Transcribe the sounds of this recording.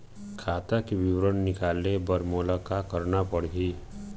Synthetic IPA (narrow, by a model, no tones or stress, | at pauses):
kʰaːt̪akibɪwɾənnɪkaːlebəɾmoːlakakəɾnapəɽ̤ɡiː